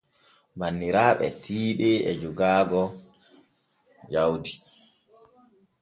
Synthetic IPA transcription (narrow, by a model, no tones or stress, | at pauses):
manːiɾaːɓɛ̰tʰiːɗɛɛd͡ʒuɡaːɡɔ | d͡ʒawdi